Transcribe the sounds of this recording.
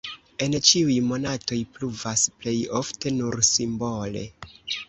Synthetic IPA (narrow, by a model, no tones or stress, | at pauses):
e̞nt͡ʃiujmo̞nato̞jpluvasple̞jo̞fte̞nuɾsimbo̞le̞̰